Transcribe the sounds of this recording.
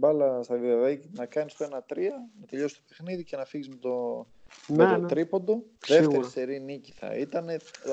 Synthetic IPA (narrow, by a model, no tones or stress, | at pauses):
bɐlɐst̪ɐðioðenɐkɐnist̪oe̞nɐt̪ɾiɐnɐt̪e̞ʎo̞sst̪ope̞xniðice̞nɐfiʝizmet̪o | met̪ot̪ɾipo̞d̪uðe̞ffeɾist̪eɾiniciθɐ̰it̪ɐne̞